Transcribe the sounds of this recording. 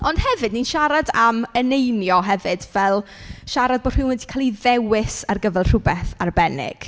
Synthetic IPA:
ɔnd̥hɛvɨdninʃaɾadamənejnjɔɦɛvɨdvɛlˠʃaɾad̚boːd̥r̥ɪwɪndi̥kʰaːlˠiðɛwɪsarɡəvɛlˠr̥ʊbɛθarbɛnɪ̰ɡ̥

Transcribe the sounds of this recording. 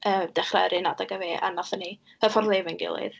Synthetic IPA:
ʔəːmd̥ɛχra̰ɾɨnadaɡaveːʔa̰nɔθəni | əfɔrlˠevɪnɡɪ̰lˠɨ̰ð

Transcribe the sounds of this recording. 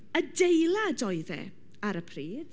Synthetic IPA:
ədejlˠadɔɨðɛ̰ | aɾəpʰriːd̥

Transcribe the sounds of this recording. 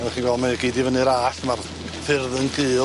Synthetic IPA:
χiːnwɛlˠdmaɡiːdɪvənɨɾaːɬmar | fɪrðənɡɨː

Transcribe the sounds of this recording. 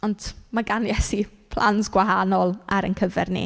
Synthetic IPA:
ɔndmaɡanjɛsi | pʰl̥ˠansɡ̥waɦanɔlˠʔaɾə̰nkʰəvɛrnḭ

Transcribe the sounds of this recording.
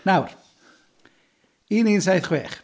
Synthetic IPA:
nawr | iːniːnsajθχweːχ

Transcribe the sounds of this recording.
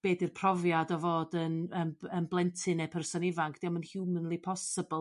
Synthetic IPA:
b̥eːdɨrpʰrɔvjadɔvoːdənəənblˠɛntʰɨnɛpʰɛrsɔnɪvaŋkʰd̥iamənhjumənlˠipʰɔsəbəlˠ

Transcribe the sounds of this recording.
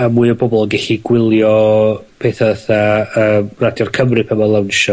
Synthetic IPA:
amuːɨəbɔbɔlˠəɡɛɬiɡwɪlˠjɔ | pʰeːθaəθaəːmradjɔrkʰəmrɨpʰəmalˠawnʃɔ

